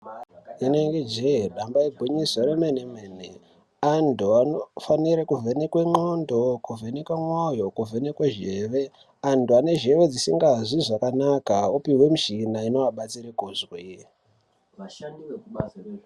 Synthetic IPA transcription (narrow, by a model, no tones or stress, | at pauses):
ineŋɡed͡ʒeɗambaibʱuɲisoɾemenemene | andʱuanofaniɾekuvʱenekweŋ͡ǃondokuvʱenekwamwojo̞kuvʱenekweʒe̞ːʋe̞ | antuane̞ʒe̞ʋe̞d͡zisiŋɡaʐiʐakanakaupiwe̞muʃinaino̞aɓat͡siɾekuzwe